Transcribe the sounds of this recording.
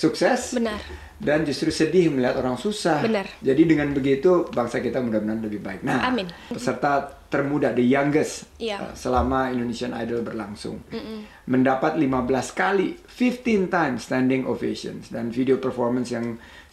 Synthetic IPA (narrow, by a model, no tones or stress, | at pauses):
suksɛsbəə | dand͡ʒust̪ɾusədɪhməliɦat̪oɾaŋsusahənd͡ʒadidəŋanbəɡit̪ubaŋsakit̪amudahbənarləbɪhbaɪk̚nahpəsərt̪at̪ərmudadəjaŋɡəssəlamaindonesiana̰jdəlbərlaŋsʊ̰ŋ | məndapat̪̚limabəlaskali | fift̪int̪ajmst̪ɛndɪŋʔo̰fesə̰nsdanfideopərfɔrmansjaŋ